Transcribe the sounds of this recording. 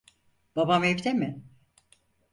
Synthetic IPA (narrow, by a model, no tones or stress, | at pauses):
b̥abamevd̪emɪ